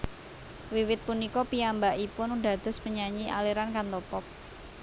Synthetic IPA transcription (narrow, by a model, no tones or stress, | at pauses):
wiwɪt̪̚punikɔpiambaʔipʊnuɖa̤d̪̥ɔ̤spəɲaɲiʔa̰leɾankant̪ɔpɔp̚